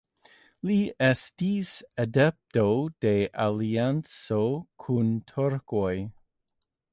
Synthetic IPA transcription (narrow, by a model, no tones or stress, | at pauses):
liɛstisadɛp̚tod̥eʔaliant͡sokʰuntʰoɾkoj